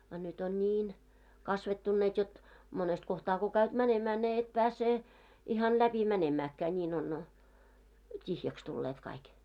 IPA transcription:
ɑ nyt on nʲiːn kɑsʋetːunːeːt jot monest kohtɑː ko kæyt mænemæː sie et pæːse ihɑn læpi mænemæːkːæː nʲiːn on tʲihjæks tulːeːt kɑik

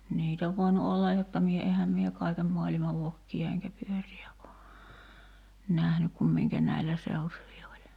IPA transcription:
niːt oʋ ʋoinu olːɑj jotːɑ mie ehæm mie kɑikem moɑlimɑ ʋokːiɑ eŋkæ pyøriæ o næhnyk kum miŋkæ næilːæ seutuʋi olʲ

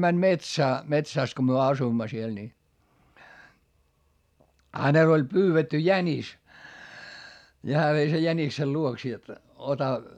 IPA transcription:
mænʲ metsæː metsæˑs ko myø ɑsuimːɑ siel ni hænel olʲ pyːʋetːy jænis ni hæː ʋei sej jæniksel luoks jot otɑ

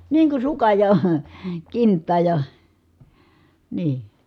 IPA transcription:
niː kun̞ sukɑj jɑ kintːɑːj jɑ niː

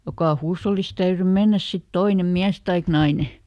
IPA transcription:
jokɑˑ huːsholːist̆ tæyry menːæs sit toine miæs tɑik nɑine

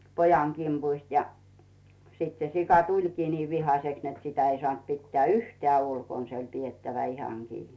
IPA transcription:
pojɑŋ kimpuist jɑ sit se sikɑ tulʲkiː niː ʋihɑseks net sitæ ei sŏɑˑnt pitːĕæˑ yhteæˑ ulkon se olʲ pietːæʋæ ihɑŋ kiː

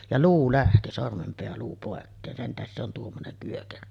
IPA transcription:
jɑ luː læhti sormempeæluː poˑekːeːn sen tæhes se on tuomːonem pyøkerø

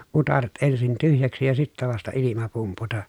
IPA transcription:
utɑret ensin tyhjæksi jɑ sitːæ ʋɑstɑ ilimɑ pumputɑ

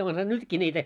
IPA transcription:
onhɑ nytkiː nʲiːtæ

